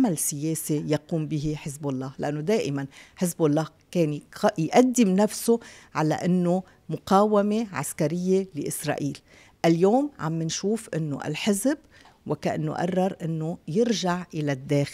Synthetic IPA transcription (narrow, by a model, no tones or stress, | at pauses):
amalsɪjeːsijaquːmbɪɦiħɪzbalˤːɑːhlaʔanːod̪eːʔɪmanħɪzbalˤːɑːhkeːnjʔad̪ːɪmnafsoʕala̰ʔɪnːo | mʊqɑːwameʕa̰skaɾɪjːelɪʔɪsɾˤɑ̰ːʔiːl | ʔaljoːmʕa̰mːɪnʃuːfʔɪnːo̰ʔa̰lħɪzb | wɪkaʔɪ̰nːo̰ʔa̰rˤːɑɾˤʔɪnːojɪɾʒaʕʔɪlad̪ːeːx